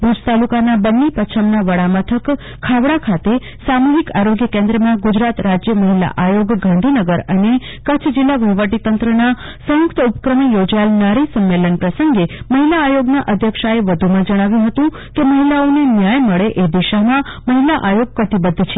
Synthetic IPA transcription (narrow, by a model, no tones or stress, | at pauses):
bud͡ʒt̪alukanabənːipət͡ʃʰəmnaʋəɽamət̪ʰəkʰː | aʋɽakʰat̪e | samuɦikaɾoɡjəkẽnd̪ɾəmãɡud͡ʒɾat̪ɾad͡ʒjəməɦila̰ʔajoɡɡʱãnd̪ʱinəɡəɾəne | kət͡ʃʰd͡ʒilːaʋəʋəʈit̪ənt̪ɾəna | sə̃jʊkt̪əupəkɾəmijod͡ʒajlnaɾisəmːelənpɾəsəŋɡeməɦilaːjoɡnaʔəd̪ʱjəkʃaeʋəd̪ʱumãd͡ʒəɽ̃aʋjũɦət̪ũ | keməɦilaonenjajməɭeʔed̪iʃamãməɦilaʔajoɡ̚pət̪ibəd̪ʱːt͡ʃʰe̥